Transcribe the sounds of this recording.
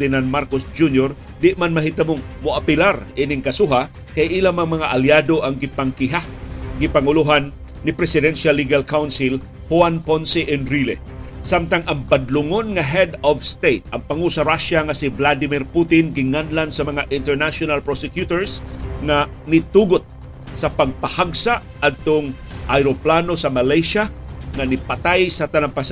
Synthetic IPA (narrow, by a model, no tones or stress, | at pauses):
d̪ɪnanmaɾkosd͡ʒunjoɾ | d̪ɪʔmanmɐɦit̪ɐmʊŋmʊʔapɪlaɾʔinɪŋkɐsuɦa | kajʔilamɐŋmɐŋaʔaljad̪oʔɐŋɡɪpaŋkɪɦaɡɪpaŋʊluɦanː | ɪpɾɛsɪd̪ɛnʃalːiɡalkawnsɪl | huanponsɪʔɛnɾilɛ | samt̪aŋʔɐŋbad̪lʊŋonŋaɦɛd̪ɔvst̪ejt̪̚ʔɐŋpɐŋusɐɾaʃaŋɐsivlad̪ɪmɪɾput̪ɪnɡɪŋanlansɐmɐŋaʔɪnt̪ɛɹnaʃonalpɾosɛkjut̪oɹsŋanɪt̪uɡʊt̪̚ | sɐpɐɡ̚pɐhaɡsa | ad̪̚t̪oŋ | ʔajɾoplaːnosɐmɐlajʃaŋanɪpɐt̪ajsɐt̪ɐnaŋpas